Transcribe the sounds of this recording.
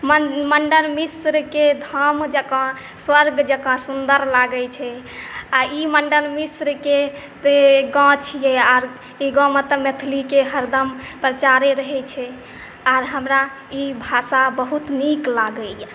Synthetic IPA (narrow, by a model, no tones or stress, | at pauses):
məməɳɖəlmisɾked̪ʱəmd͡ʒəkɔ̃ | swəɾɡd͡ʒəkɔ̃sund̪əɾlaɡət͡ʃʰɛ | aiməɳɖəlmisɾke | t̪eɡɔ̃t͡ʃʰijɛaɾ | iɡɔ̃met̪əmet̪ʰlikeɦəɾd̪əmpɾət͡ʃaɾeɾəɦɛt͡ʃʰɛ | aɾɦəmɾa | ibʱasabəɦut̪niklaɡəj